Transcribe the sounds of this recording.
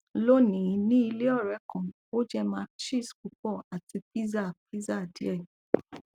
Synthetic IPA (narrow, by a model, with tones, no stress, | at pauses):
lo˦nĩ˨˧nĩ˦i˧le˦ɔ˦˨ɾɛ˨˦kã˨ | o˦d͡ʒɛ˦mãː˧˦ʃi˦˨sku˨˦k͡pɔ˦˨a˨ti˧pi˦za˦˨pi˦za˦˨di˨˦ɛ˦˨